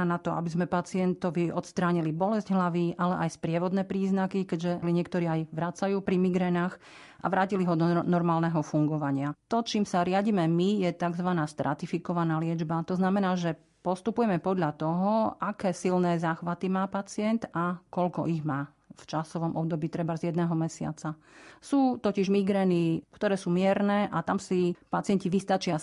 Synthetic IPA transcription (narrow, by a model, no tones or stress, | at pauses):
anat̪ɔʔa̰bizmɛpat͡sɪɛnt̪ɔʋiɔt̪st̪ɾaːɲilibɔlɛzɟɦlaʋiʔalɛʔajspɾɪɛʋɔd̪nɛːpɾiːznakikɛɟʒɛliɲɪɛkt̪ɔɾiːajʋɾat͡sajuːpɾimiɡɾɛnaːx | ʔa̰ʋɾaːciliɦɔd̪ɔnɔɾmaːlnɛɦɔfuŋɡɔʋaɲɪat̪ɔt͡ʃiːmsaɾɪaɟiːmɛmijɛt̪aɡzʋanaːst̪ɾʔa̰t̪ifikɔʋanaːlɪɛd͡ʒbat̪ɔznamɛnaːʒɛ | pɔst̪upujɛmɛpɔd̪ʎat̪ɔɦɔʔakɛːsilnɛːzaːxʋat̪imaːpat͡sɪɛnt̪akɔʎkɔʔiɣmaː | ft͡ʃasɔʋɔmʔɔb̚d̪ɔbiːt̪ɾɛbazjɛd̪nɛɦɔmɛsɪa̰t͡sa | suːt̪ɔciʒmiɡɾɛːnikt̪ɔɾɛːsuːmɪɛɾnɛːʔat̪amsipat͡sɪɛnciʋist̪at͡ʃɪa